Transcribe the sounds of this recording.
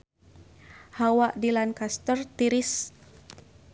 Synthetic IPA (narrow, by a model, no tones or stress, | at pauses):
hawaʔdilankast̪ərt̪iɾɪs